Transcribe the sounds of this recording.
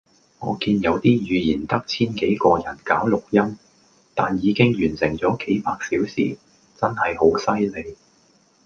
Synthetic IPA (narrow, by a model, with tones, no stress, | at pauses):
ŋɔː˨˧kiː˧njɐ˨˧wt̪iː˥jyː˨˧jiː˨˩nt̪ɐ˥k̚t͡sʰiː˥nke˨˥jkɔː˧jɐ˨˩nkaː˨˥wlʊ˨k̚jɐ˥m | t̪a̰ː˨njiː˨˧kɪ˥ŋjyː˨˩nsɪ˨˩ŋt͡sɔː˨˥ke˨˥jpaː˧k̚siː˨˥wsḭː˨˩ | t͡sɐ˥nhɐ˨jho˨˥wsɐ˥jle˨˧j